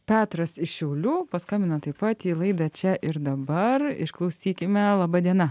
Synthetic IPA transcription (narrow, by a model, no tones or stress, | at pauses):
pʲæːt̪ɾɐsɪʃʃʲɛʊlʲuːpɐskɑmʲɪnɐt̪ɐɪpɐt̪iːlˠɐɪd̪ɐt͡ʃʲɛʔɪɾd̪ɐbɐrɪ̰ʃklˠɐʊsʲiːkʲɪmʲɛlˠɑːbɑd̪ʲiɛnɐ